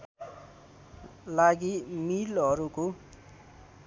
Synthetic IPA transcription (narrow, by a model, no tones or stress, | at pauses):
laɡimilʌɾuko